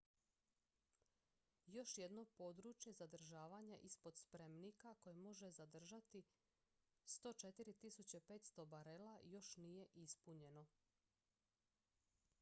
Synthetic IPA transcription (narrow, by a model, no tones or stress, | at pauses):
jo̞ʃje̞d̪no̞po̞d̪ɾuːt͡ʃje̞zad̪r̩ʒaːʋaɲaʔispo̞d̪spɾe̞mnikako̞jemo̞ʒe̞zad̪r̩ʒat̪i | st̪o̞ːt͡ʃe̞t̪iɾit̪isut͡ɕepe̞ːt̪st̪o̞baɾelajo̞ʃnije̞ʔispuɲe̞no̞